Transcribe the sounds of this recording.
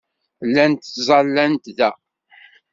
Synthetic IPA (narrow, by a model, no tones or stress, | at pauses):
lːænt̪zˤɑlːænt̪ðæ